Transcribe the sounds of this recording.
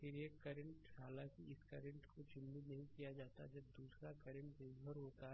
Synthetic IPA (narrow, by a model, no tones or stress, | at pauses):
kɪɾiekɐɾə̃ɳʈhɦaːlãːkiɪskɐɾə̃ɳʈkot͡ʃɪ̃nd̪inɐɦĩkijad͡ʒaːt̪a̰d͡ʒɐb̚d̪uːsɾakɐɾə̃ɳʈb̪ẽbʱəɾɦoːt̪aɦ